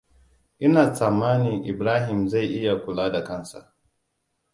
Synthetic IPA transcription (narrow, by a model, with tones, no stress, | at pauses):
ʔɪ˦naː˨saː˨maː˦nɪ˨ŋʔɪ˨bɾaː˦ɦɪ˨mza˦˨jʔɪ˦ja˨kʷʊ˨laː˦da˨kɐ˦˨nsa̰˨ʔ